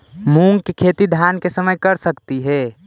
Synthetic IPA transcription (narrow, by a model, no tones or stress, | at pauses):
mũŋɡkekʰeːt̪id̪ʱjaːnkesəməjkəɾsəkt̪iɦɛː